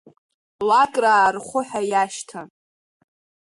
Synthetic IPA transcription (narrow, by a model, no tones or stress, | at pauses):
lakʼraːrχʷʊħajaʃtʰa